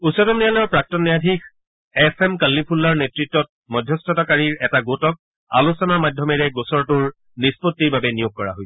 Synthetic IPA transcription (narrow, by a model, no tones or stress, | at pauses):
usɔtɔmnijalɔɹpɹak̚tɔnːiadʱix | ɛpʰemkalːipʰulːaɹnetɹitːɔt̚mɔdʱjɔstɔtakaɹiɹɛtaɡotɔk̚ | a̰lusɔnaɹmadʱjɔmɛɹɛɡosɔɹtuɹ | nispotːiɹbabɛnijoɡ̚kɔɹa̰ɦoj